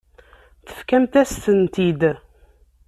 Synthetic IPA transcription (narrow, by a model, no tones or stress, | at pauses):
θə̥fkæmt̪æst̪ənt̪id̪